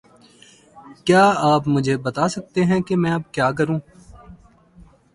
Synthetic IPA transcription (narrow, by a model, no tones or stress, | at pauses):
kjaːaːpmʊd͡ʒʱebɐt̪aːsɐk̚t̪eɦɛ̃kemɛ̃ːɐb̚kjaːk̬ɐɾũː